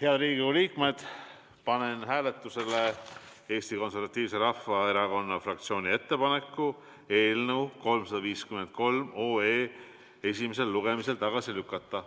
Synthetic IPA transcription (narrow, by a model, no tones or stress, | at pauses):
heɑd̪ɾiːɡiuliːkme̞d̪̥ | pɑne̞nɦæːle̞t̪ːˑuse̞le | e̞ːst̪iko̞nse̞rvɑt̪ʲːˑiːvse̞ɾɑfːɑeɾɑko̞nːɑfrɑkt̪sio̞ːnʲie̞t̪ːe̞pɑne̞kːu | e̞ːlnəwko̞lmsɑd̪̥ɑviːskyme̞nt̪̚ko̞lmoːeː | e̞s̬ʲimes̬e̞lːuɡ̥e̞mise̞lt̪ɑɡ̥ɑsilykːɑt̪ːˑɑ